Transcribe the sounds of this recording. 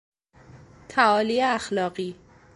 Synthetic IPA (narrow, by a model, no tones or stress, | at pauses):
t̪ʰæɒːliːeæxlɒːɢiː